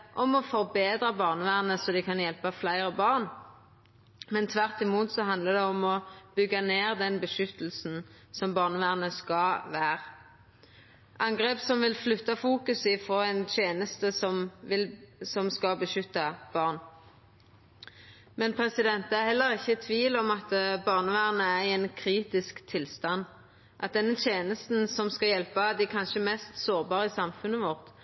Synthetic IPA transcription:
ʔɔmɔfɔʁbeːd̪ʁəbɑːʁnʋæːʁnəsɔd̪ɪkʰɑnjɛlpəflæɪʁəbɑʁn | mɛnt̪ʰʋæʁt̪ɪmuːt̪sɔɦɑnd̪ləd̪ɛɔmɔb̥ʏɡːɑneːʁd̪ɛnbəʃʏt̪l̩sn̩ | sɔmbɑːʁnəʋæːʁnəskɑʋæːʁ | ʔɑŋɡʁeːpsɔmʋɪlflʉt̪ːɑfuːkʉsɪfʁoːɛnt̪ʰjeːnəst̪əsɔmʋɪlsɔmskɑbəʃʏt̪ːɑb̥ɑʁn | mɛnpʰʁɛsɪd̪ɛnt̪æʁhɛlːəʁɪçːət̪ʰʋiːlɔmɑt̪bɑːʁnəʋæːʁnəæɛnkʰɾiːt̪ɪskt̪ʰɪlst̪ɑnː | ʔɑt̪̚d̪ɛnːət̪ʰjeːnəst̪nsɔmskɑjɛlpɑd̪ɪkʰɑnʃəmɛst̪soːʁbɑːʁəɪsɑmfʉnːəʋɔʁt̪

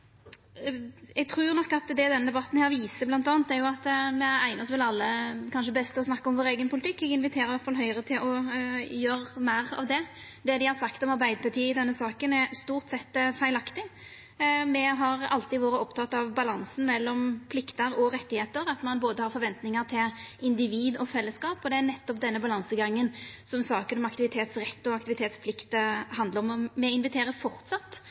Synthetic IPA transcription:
ɛɡ̚t̪ʰɾuːnɔkːɑt̪d̪ɛd̪ɛnːəd̪ɛbɑt̪ːn̩hæːɾʋiːsəblɑnt̪ɑːnt̪æɾjʊɑt̪mɛæɪnəɔsʋɪlɑlːəkʰɑnʂəbɛst̪əɔsnɑkːəɔmʋoːɾeːɡənpʰʊlɪt̪ʰɪkːɛɡɪnʋɪt̪ʰeːɾəɾɪʋæt̪fɑlɦœʏəɾət̪ʰɪlʔɔjøːɾmæːɾɑ̰ʋd̪ɛ | d̪ɛd̪ɪhɑɾsɑkt̪ɔmɑɾbæɪd̪əpʰɑʈ̪iːɪd̪ɛnːəsɑːkənɛɾst̪uːɾt̪sɛt̪ːfæɪlɑkt̪ɪ | mɛɦɑɾɑ̰lt̪ɪʋoːɾəɔpt̪ʰɑt̪ːɑʋbɑlɑnsn̩mɛlːɔmpʰlɪkt̪əɾɔɾɛt̪ːɪheːt̪əɾɑt̪mɑnboːd̪əhɑɾfɔɾʋɛnt̪nɪŋəɾt̪ʰɪlɪnd̪ɪʋiːd̪ɔfɛlːəskɑːpɔd̪ɛænɛt̪ːɔpd̪ɛnːəbɑlɑnsəɡɑŋːənsɔmsɑːkənɔmɑkt̪ɪʋɪt̪ʰeːt̪sɾɛt̪ːɔɑkt̪ɪʋɪt̪ʰeːt̪spʰlɪkt̪əhɑnd̪ləɾɔmmɛɪnʋɪt̪ʰeːɾəɾfɔɾt̪sɑt̪ː

